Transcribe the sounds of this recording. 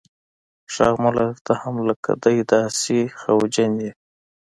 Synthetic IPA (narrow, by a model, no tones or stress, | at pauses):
ʂɑ̰ɣmʊlaɾt̪ahamləka̰d̪ajd̪ɑsixawd͡ʒanʲd̪i